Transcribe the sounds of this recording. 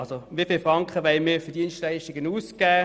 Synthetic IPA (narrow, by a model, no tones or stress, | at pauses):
ɑlsoʋifiːlfʁɑŋkχəʋɛɪmifʏɐd̥iənstlæɪʃtɪɡənuːskæː